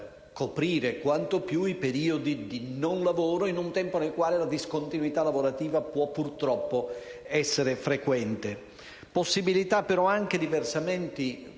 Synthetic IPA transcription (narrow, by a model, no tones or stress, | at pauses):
kopɾiːɾekwant̪opjuipeɾiːod̪id̪inonlavoːɾoinunt̪ɛmponelkwaːlelad̪iskont̪inwit̪alavoɾat̪iːvapwɔpːurt̪ɾɔpːoɛsːeɾefɾekwɛnt̪e | posːibilit̪apːeɾɔaŋk̟ed̪iversamɛnt̪i